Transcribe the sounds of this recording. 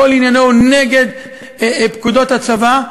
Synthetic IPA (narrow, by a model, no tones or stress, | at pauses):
olinjanoneɡe̞d̪ | pkud̪o̞t̪hat͡sava